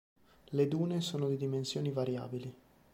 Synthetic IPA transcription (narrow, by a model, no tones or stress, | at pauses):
led̪uːnesoːnod̪id̪imensjoːnivaɾja̰ːbili